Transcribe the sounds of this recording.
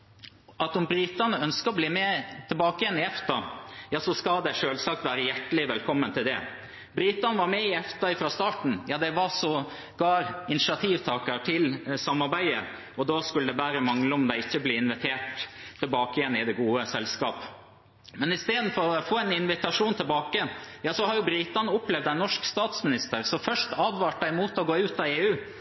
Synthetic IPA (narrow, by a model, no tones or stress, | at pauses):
ʔɑt̪ɔmbɾiːt̪ɑnəœnskəɔbliːmɛt̪ʰɪlbɑːkəjɛnɪɛft̪ɑjɑːsɔskɑld̪ɛʂøːlsɑk̚t̪ʋæːɾəjæʈːəlɪʋɛlkʰɔmːənt̪ʰɪld̪ɛ̰ | bɾiːt̪ɑnəʋɑɾmɛɪɛft̪ɑɪfɾɑːst̪ɑːʈɳ̩jɑːd̪ɛʋɑsɔ | ɡ̥ɑːɾɪnɪʂɑt̪ʰiːʋt̪ʰɑːkəʈʰɪlsɑmːɑɾbæɪə̰ | ɔd̪ɑːskʉləd̪ɛbæːɾəmɑŋləɔmd̪ɛɪçːəbliːɪnʋɪt̪ʰeːʈ̪ʰːɛlbɑːkɪjɛnɪd̪ɛɡuːəsɛlskɑːp | mɛnɪst̪eːd̪n̩fɔɾɔfoːænɪnʋɪt̪ɑʂuːnt̪ʰɪlbɑːkəənjɑːsɔhɑɾjʊbɾɪt̪ɑnəʊplɛʋd̪æɪnɔʂkst̪ɑːt̪smɪnɪst̪əɾsɔfœʂʈɑːd̪ʋɑːʈ̚d̪æɪmuːt̪ɔɡoːʉːt̪ɑʋeːʉː